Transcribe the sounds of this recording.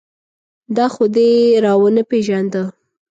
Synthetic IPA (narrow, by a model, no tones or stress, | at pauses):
d̪ɑxod̪eɾɑwənəpeʒand̪ə